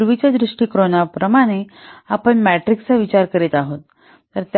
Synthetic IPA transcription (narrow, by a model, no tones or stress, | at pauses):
ɾʋit͡ɕad̪ɾiʂʈiːkɾoñapɾəmaɽ̃eapəɳmæʈɾikst͡saʋit͡ɕaɾkəɾet̪aɦot̪ː | əɾt̪